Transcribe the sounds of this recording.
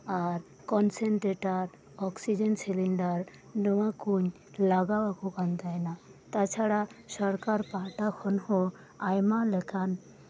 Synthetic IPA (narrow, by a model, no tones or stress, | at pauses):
aɾ | kɔnseɳʈɾeʈaɾ | ɔksid͡ʑensiliɳɖaɾ | nɔwakuɲ | laɡawakukant̪ajnat̪at͡ɕʰaɽasɔɾkaɾpaʈakʰɔnho | ajmalɛkʰan